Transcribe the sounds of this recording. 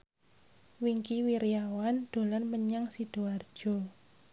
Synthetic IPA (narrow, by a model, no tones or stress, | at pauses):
wiŋkiwiɾijawand̪̥o̤lanməɲaŋsid̥oard̥ʒ̥ɔ̤